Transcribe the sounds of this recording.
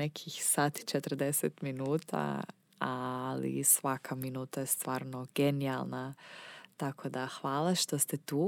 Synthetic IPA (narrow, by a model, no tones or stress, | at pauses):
nekʰixsaːt̪i̥t͡ʃet̪r̩d̪eset̪minuːt̪ʰa̰ | alḭsʋakʰaminuːt̪ajest̪ʋaːɾno̞ɡenialˠnat̪akʰo̞d̪axʋaːlˠaʃt̪ost̪et̪uː